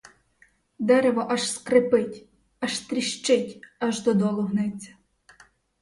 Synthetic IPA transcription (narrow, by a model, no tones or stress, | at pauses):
d̪ɛɾeʋɔʔɐʒskɾɪpɪtʲ | ɐʃst̪ɾʲiʃt͡ʃɪtʲɐʒd̪ɔd̪ɔlˠɔwnɪt͡sʲːɐ̥